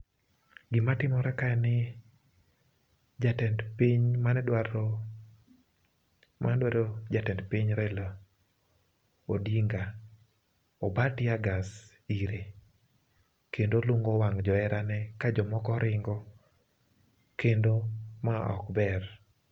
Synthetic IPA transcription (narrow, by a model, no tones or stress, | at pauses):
ɡɪmatɪmɔɾɛkaɛnɪ | d͡ʒatɛndpiɲmanɛdwaɾɔ | mʔa̰nɛdwaɾod͡ʒatɛndpiɲɾɛla | odiŋɡa | ɔbatiaɡas | iɾe | kendoluŋɡɔwaŋd͡ʒɔɛɾanɛkad͡ʒɔmɔkɔɾʔɪŋɡɔ | kendomaɔ̰kbɛr